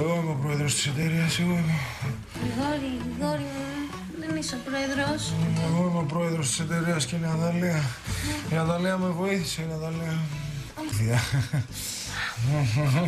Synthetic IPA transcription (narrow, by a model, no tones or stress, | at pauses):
eɣoimepɾo̞eðɾo̞st̪i̥se̞t̪e̞ɾiɐseɣo̞ime | ɣoɾiɣiɣoɾimu | memisopɾoeðɾosmeɣo̞imeopɾo̞eðɾost̪ise̞t̪e̞ɾiɐsceineɐðɐliɐinɐt̪ɐliɐmevo̞iθi̥seinɐt̪ɐliɐ | θiɐ